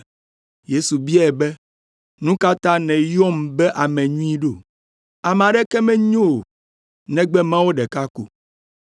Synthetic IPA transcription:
je˦su˨bi˦a˦ɛ˨bɛ˦ | nũ˦ka˦t̪ã˦nɛ̃˨jɔ˦mbɛ˦ʔa˨mɛ̃˨ɲũ˦ĩ˦ɖo˦˨ | a˨mɛ̃˨a˨ɖɛ˦kɛ˦mɛ̃˦ɲo˦˨ | nɛ̃˦ɡ͡bɛ˦mã˦wo˦ɖɛ˨ka˦kṵ˨

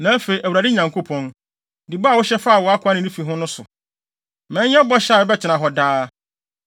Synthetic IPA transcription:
nã˨æ˦fe˨i˨ʔæ˨u˨ɾa˨dɪ˦ɲã˨ŋkʰo˦pʰɔ̃˦n | di˨ba˦˨wʊ˦ɕɛ˦fa˦a˨wɔ˨˦a˦kʰʊ˨˦a˦nɪ̃˨nĩ˦fi˨ɦʊ̃˦nʊ̃˦sʊ˨ | mɛ̃˨˦ɛ̃˦bɔ˦ɕa˦˨bɛ˦t͡ɕʰɪ˨nã˨ɦɔ˨daː˦

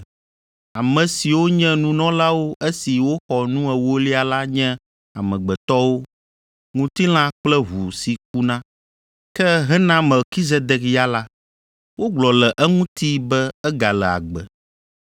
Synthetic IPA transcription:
a˨mɛ̃˨si˨wo˦ɲɛ̃˦nũ˦nɔ̃˦la˦wo˦ʔe˦si˨wo˦xɔ˨nũ˦ɛ˨wo˦li˦a˨la˦ɲɛ̃˦ | a˨mɛ̃˨ɡ͡bɛ˨t̪ɔ˦wo˦ | ŋũ˦t̪i˦l̃ã˦k͡plɛ˦ɦu˨si˨k̚u˦nã˦ | kɛ˦ɦɛ˦nã˦mɛ˨lki˦ze˦d̪ɛ˦kja˦la˦ | wo˦ɡ͡blɔ˨lɛ˨ʔɛ˦ŋũ˦t̪i˦bɛ˦ɛ˦ɡa˨lɛ˨a̰˨ɡ͡bɛ˨

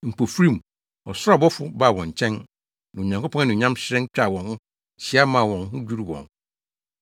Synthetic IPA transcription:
m̩˨pʰo˨fɾĩ˦˨m˨ | ɔ˨sʊ˦a˦˨bɔ˦fʊ˦ba˦˨wɔ̃˨ɲ˨t͡ɕʰɛ̃˦n | nã˨o˨ɲã˨ŋkʰo˦pʰɔ̃˦a˦nʊ̃˨ɲã˦mɕɪ˦ɾɛ̃˦t͡ɕᶣa˨wɔ̃˨nhʊ̃˦ | ɕɪ˨˦a˦mãː˨wɔ̃˨n˦hʊ̃˦d͡ʑᶣu˦ɾu˦wɔ̰̃˨n

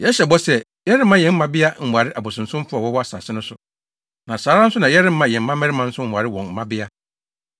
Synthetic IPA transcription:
jɛ˨˦ɕɛ˨bɔ˦sɛ˦ | jɛ˦ɾɪ˦m̩˦mã˦jɛ̃˨m̩˦mã˦bɪ˦a˦m̩˨mʷu˨a˨ɾɪ˦ʔa˨bʊ˨sʊ̃˨n̩˨sʊ̃˦m˦fʊ˦a˨wɔ˦wɔ˦a˨sa̰˨sɪ˦nʊ̃˦sʊ˦ | nã˨saː˨˦ɾa˦n˦sʊ˦nã˨jɛ˦ɾɪ̃˦m̩˦mã˨jɛ̃˨m̩˦ã˦mɛ̃˦ɾɪ˦mã˦n̩˦sʊ˦m̩˨mʷ˨a˨ɾɪ˦wɔ̃˨m̩˨mã˦bɪ˦a˦

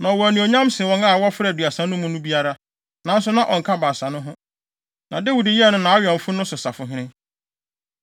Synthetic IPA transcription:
nã˨wɔ˨æ˨nũ˨o˨ɲã˦msɪ˨wɔ̃˦ŋa˦˨wɔ˦fɾdɥa˨sã˨˦nʊ̃˦mʊ̃˦nʊ̃˦bi˦a˦ɾa˦ | nã˨˦n̩˦sʊ˦nã˦ʔɔ̰˨ŋ̩˨kʰa˦ba˨sa˨nʊ̃˦ɦʊ̃˦ | nã˨dɪ˦wu˨dɪ˦ji˦ɛ˦˨nʊ̃˦nã˨a˦ɥɔ̃˨ɱ̩˨fʊ˦nʊ̃˦sʊ˨sa˨fʊ˨ɦɪ̃˦nɪ̃˦

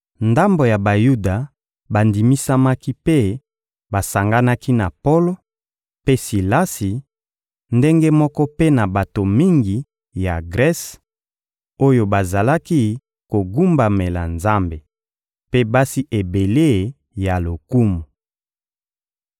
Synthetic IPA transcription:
nda˦mbo˨ja˨ba˨ju˦da˨ | ba˨ndi˨mi˦sa˦ma˦ki˦pe˦ | ba˨sa˨ŋɡa˦na˦ki˦na˨po˦lo˦ | pe˦si˨la˦si˨ | nde˦ŋɡe˦mɔ˦kɔ˦pe˦na˨ba˨to˨mi˦ŋɡi˨ | ja˨ɡʁɛ˦s | o˦jo˦ba˨za˨la˦ki˦ | ko˨ɡu˦mba˨me˨la˨nza˦mbe˨ | pe˦ba˦si˦ʔe˨be˨le˦˨ | ja˨lo˨ku˦mu˨

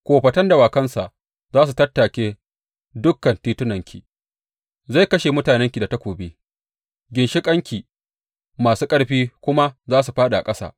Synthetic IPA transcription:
kʷoː˨ɸɐ˨tɐ˦nda˨waː˨kɐ˦nsa˨ʔ | zaː˦s̬u˨tɐ˦tːaː˨kʲeː˦ | dʊ˦kːɐ˨ntiː˦tʊ˦nɐ˨ŋkʲʰḭ˨ | za˦˨jkɐ˦ʃe˨mʊ˦taː˨nɛ˦ŋkʲi˨da˨ta˦kʷoː˨bi˦ | ɡʲɪ˨nʃɪ˦kʼɐ˦ŋkʲi˨ | maː˨suː˦kʼɐ˦ɽɸiː˦kʷʊ˦ma˦zaː˦su˨ɸaː˦ɗa˨a̰˨kʼɐ˦sa̰ː˦ʔ

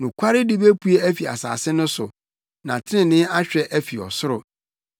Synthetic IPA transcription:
nʊ̃˨kʷʰa˦ɾɪ˦dɪ˦be˦pʰu˦e˦æ˦fi˨a̰˨sa̰ː˨sɪ˦nʊ̃˦sʊ˨ | nã˨tʰɪ˦nɪ̃˨nɪ̃˦a˦ɕᶣɛ˨ʔæ˦fi˨ɔ̰˨sʊ˦ɾʊ˨

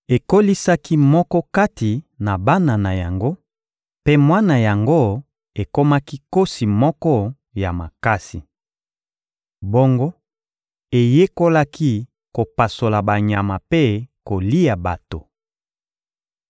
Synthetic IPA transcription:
e˨ko˦li˦sa˦ki˦mɔ˦kɔ˦ka˦ti˨na˨ba˦na˨na˨ja˨ŋɡo˦ | pe˦mwa˦na˨ja˨ŋɡo˦ | e˨ko˦ma˦ki˦ko˦si˨mɔ˦kɔ˦ | ja˨ma˨ka˦si˨ | bo˦ŋɡo˦ | e˨je˦ko˦la˦ki˦ | ko˨pa˨so˨la˨ba˨ɲa˨ma˨pe˦ko˨li˦a˨ba˨to˨

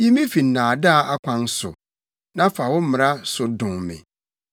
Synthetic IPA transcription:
ji˦mĩ˦fi˨n̩˨nãː˨da˦˨a˦kʷʰã˦n˦sʊ̰˨ | nã˦fa˨wʊ˦m̩˦mɪ̃˨ɾa˦sʊ˨dʊ̃˨ŋmɪ̰̃˨

